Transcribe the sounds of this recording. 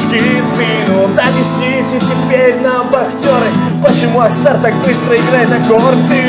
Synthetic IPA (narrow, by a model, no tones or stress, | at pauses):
kʲisvʲinud̪ɐbʲɪsʲi | tʲɪtʲɪpʲeɾʲnɐbɐxtʲoɾɨ | pət͡ɕːɪmuɐkst̪art̪ak̚bɨst̪ɾəɪɡɾajɪt̪nɐɡort̪ʲɪ